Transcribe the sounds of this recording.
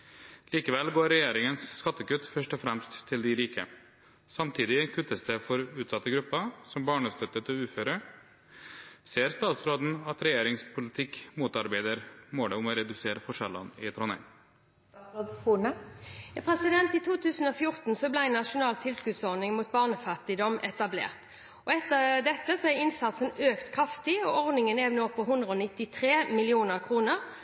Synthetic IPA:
liːkəʋɛlɡoːɾɛjeːɾɪŋənsskɑt̪ːəkʉt̪ːfœʂʈɔfɾɛmst̪ʰːɪld̪ɪɾiːkə | sɑmt̪ʰiːd̪ɪkʰʉt̪ːəsd̪ɛfɔɾʉːt̪sɑt̪ːəɡɾʉpːəsɔmbɑːɳəst̪œt̪ːət̪ʰɪʉːføːɾə | seːɾst̪ɑːt̪sɾoːd̪n̩ɑt̪ɾɛjeːɾɪŋspʰʊlɪt̪ʰɪkmuːt̪ɑɾbæɪd̪əɾmoːɖ̪ɛʊmoːɾɛd̪ʉseːɾəfɔʂɛlə̰nɪt̪ʰɾɔnɛ̰ː | njɑpʰʁɛsɪd̪ɛnt̪ɪt̪ʰuːt̪ʰʉːsn̩ɔːfjʊʁt̪n̩sɔblæɪnːɑʃʊnɑːlt̪ʰɪlskʉd̪sɔʁnɪŋmuːt̪̚bɑːʁnəfɑt̪ɪd̪ɔmʔɛ̰t̪ɑblḛːʁt̪ | ɔɛt̪ːəʁd̪ɛt̪ːəsɔæʁɪnsɑt̪sənøːkt̪kʰʁɑft̪ɪɔɔʁd̪nɪŋəneʋnoːpʰɔɦʉnd̪ʁəɔːnɪt̪ːɪt̪ʰʁeːmɪlɪuːnəʁkʰʁuːnəʁ

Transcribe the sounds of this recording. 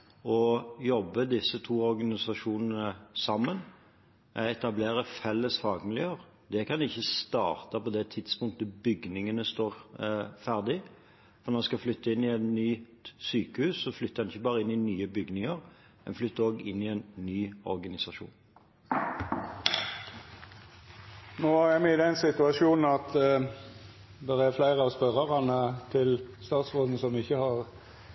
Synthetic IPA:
ɔjɔbːəd̪ɪsːət̪ʰuːɔɾɡɑnɪsɑʂuːnən̩əsɑmːən | ʔɛɛt̪ɑbleːɾəfɛlːəsfɑːɡmɪljøːʁ | d̪ɛkʰɑnɪçːəst̪ɑ̰ːʁt̪ɑpɔd̪ɛt̪ʰɪt̪spʊŋk̚t̪əbʏɡnɪŋənəst̪oːɾfæʁd̪ɪ | fɔɾnɔɑskɑflʏt̪ːəɪnɪɛnnyː | syːkəhʉːsːɔflʏt̪ːəɾɛnɪçːəbɑːɾəɪnːɪnyːəbʏɡnɪŋəɾ | mɛnflʏt̪ːəɾoːɡɪnːɪɛnnyːɔʁɡɑnɪsɑʃṵːn | noːɛmɛɪd̪ɛnsɪt̪ʉɑʃuːnn̩ɑt̪ | d̪ɛɾæɾflæɪʁəɑʋspœɾɑʁɑnət̪ʰɪlst̪ɑːt̪sʁoːd̪n̩sɔmɪçːəhɑʁ

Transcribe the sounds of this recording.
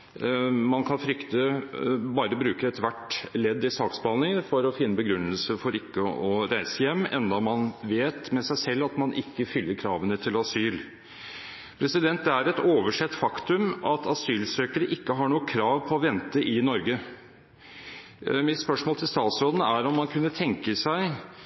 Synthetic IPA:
mɑnkʰɑnfɾʏkt̪əbɑːɾəbɾʉːkəɾɛt̪ʋæʈːlɛd̪ːɪsɑːksbɑlɪŋənfɔɾɔfɪnːəbəɡɾʉnːəlsəfɔɾɪkːəɔɾæɪsəjɛmːɛnd̪ɑmɑnʋeːt̪mɛsæɪsɛlːɑt̪mɑnʔɪkːəfʏlːəɾkʰɾɑːʋənət̪ʰɪlɑsyːl | pʰɾɛsɪd̪ɛnt̪̚d̪ɛæɾɛt̪oːʋəʂɛt̪ːfɑkt̪ʉmʔɑt̪ʰɑsyːlsøːkəɾəʔɪkːəɦɑɳuːəkʰɾɑːʋpʰɔɔʋɛnt̪əʔɪnɔɾɡə | mɪt̪spœʂmoːlt̪ʰɪlst̪ɑːt̪sɾoːd̪nəæɾɔmːɑnkʰʉnːət̪ʰɛŋkəsæɪ

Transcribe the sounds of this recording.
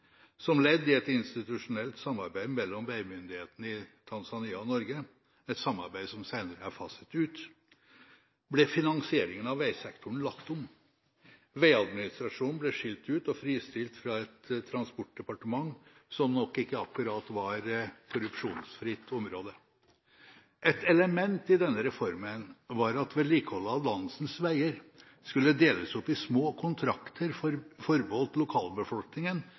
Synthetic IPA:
sɔmlɛd̪ːɪɛt̪ɪnst̪ɪt̪ʉʂʊnɛlt̪sɑmːɑɾbæɪmɛlːɔmʋeɪmʏnd̪ɪheːt̪ənəɪt̪ʰɑnsɑniːɑɔnɔɾɡə | ɛt̪sɑmːɑ̰ɾbæɪsɔmsæɪnəɾəæɾfɑsə̥t̪ʉːt̪ | blɛfɪnɑŋsɪeːɾɪŋənɑʋʋæɪsɛkt̪ʰʊɳlɑkt̪ʊm | ʋeɪɑd̪mɪnɪst̪ɾɑʂuːnblɛʂɪlt̪ʉːt̪ɔfɾiːst̪ɪlt̪fɾɑɛt̪ʰːɾɑnspɔʈ̚d̪ɛpɑʈəmɑŋːsɔmnɔkːɪkːəɑkʉɾɑːt̪ʋɑɾkʰʊɾʉpʂṵːnsfɾɪt̪ʰːɔmɾoːd̪ə | ʔɛt̪ɛləmɛnt̪ɪd̪ɛnːəɾɛfɔɾmənʋɑɾɑt̪ʋɛliːkəhɔlːəɑʋlɑnːsn̩sʋæɪəɾ | skʉlːəd̪eːləsɔpːɪsmoːkʰʊnt̪ʰɾɑkt̪ʰəɾfɔɾbəhɔlt̪lʊkʰɑːlbəfɔlknɪŋən

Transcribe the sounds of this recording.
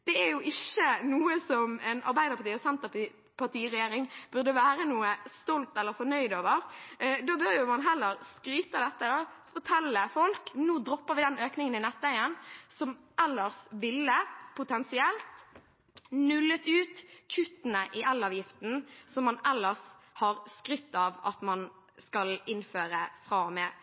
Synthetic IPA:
d̪̥ɛæɾjʊʔɪçːənuːəsɔmɛnʔɑ̰ɾbæɪd̪əɾpʰɑt̪iːɔsɛnt̪əp | pʰɑʁt̪iːɾɛjeːɾɪŋb̥ʉɾd̪əʋæːɾənuːəst̪ɔlt̪ɛlːəɾfɔnœʏd̪oːʋəɾd̪oːbœɾjʊmɑnɦɛlːəɾskɾyːt̪əd̪ɛt̪ːəd̪ɑfɔt̪ʰɛlːəfɔlknuːd̪ɾɔpːəɾʋɪd̪ɛnøːknɪŋənɪnɛt̪ːʋæɪənsɔm | ʔɛlːəʁsʋɪlːəpʰʊt̪ʰɛnsɪɛlt̪ | nʉlːət̪ʉːt̪kʰʉt̪ənəʔɪʔɛlːɑːʋjɪft̪n̩sɔmːɑnɛlːəʁs | hɑʁskɾʏt̪ːɑʋɑt̪mɑn | skɑlɪnføːɾəfʁɑːmɛː

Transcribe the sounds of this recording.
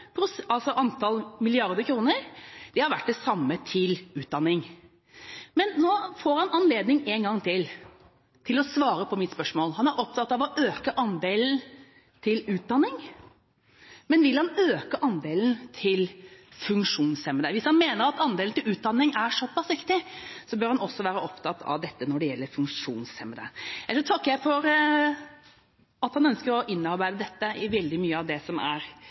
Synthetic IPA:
pʰɾʊsɑlsɔʔɑnt̪ʰɑlmɪlɪɑɾd̪əkʰɾuːnəɾd̪̥ɛhɑɾʋæʈ̚d̪ɛsɑmːət̪ʰɪlʉːt̪̚d̪ɑnːɪŋ | mɛnːoːfoːɾhɑnɑnleːd̪nɪŋeːnɡɑŋt̪ʰɪl | t̪ʰɪlɔsʋɑːɾəpʰɔmɪt̪spœʂmoːlɦɑnæɾʔɔp̚t̪ʰɑt̪ːɑʋɔʔøːkəʔɑnd̪eːln̩ | t̪ʰɪlʉːt̪̚d̪ɑnːɪŋ | mɛnʋɪlhɑnøːkəʔɑnd̪eːln̩t̪ʰɪlfʉŋkʂuːnsɛmənəʋɪshɑnmeːnəɾɑt̪ɑnd̪eːln̩t̪ɪlʉːt̪̚d̪ɑnːɪŋæɾʂɔpːɑsʋɪkt̪ɪsɔbœːɾhɑnɔsːɔʋæːɾəɔpt̪ʰɑt̪ʰːɑ̰ʋd̪ɛt̪ːənɔɖɛjɛlːəɾfʉŋʂuːnsɛməd̪ə̰jæʂɔt̪ʰɑkːəjæɪfɔɾ | ɑt̪hɑnœnskəɾɔʔɪnːɑɾbæɪd̪əd̪ɛt̪ːəɪʋɛld̪ɪmyːəɑʋd̪ɛsɔmæ̰ɾ

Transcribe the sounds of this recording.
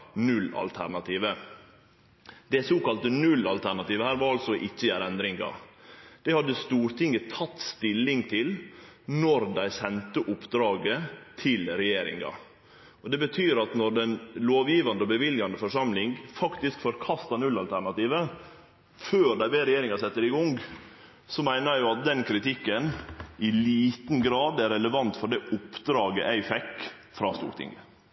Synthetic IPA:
nʉlːɑ̰lt̪ʰæ̰ɾɳɑt̪ʰiːʋə | d̪̥ɛsoːkɑlt̪ənʉlɑlt̪ʰæɳɑt̪iːʋəhæːɾʋɑɾɑlsɔʔɪçːəjæːɾɛnd̪ɾɪŋɡɑ̰d̪̥ɛɪhɑd̪ːəst̪uːɾt̪ʰɪŋːət̪ʰɑt̪ːst̪ɪlːɪŋt̪ʰɪlnɔɾd̪æɪsɛnt̪əʔʊpd̪ɾɑːɡət̪ʰɪlɾɛjeːɾɪ̰ŋɑ̰ | ɔd̪ɛbət̪ʰyːɾɑt̪nɔɾɖ̪ɛnloːʋjiːʋɑnd̪əɔbəʋɪljɑnd̪əfɔʂɑmlɪŋfɑkt̪ɪskfɔɾkʰɑst̪ɑnʉlːɑlt̪ʰæɾɳɑt̪iːʋə | føːɾɖ̪æɪbeːɾɛjeːɾɪŋɑsɛt̪ːəɾɪɡʊŋɡ | sɔmæɪnəjʊɑt̪̚d̪ɛnkʰɾɪt̪ɪkːənɪliːt̪n̩ɡɾɑːd̪æɾɛləʋɑnt̪fɔɖɛʔʊpːd̪ɾɑːɡəʔæɪfɛkː | fɾɑ̰ːst̪ṵːkt̪ʰɪ̰ŋɡə

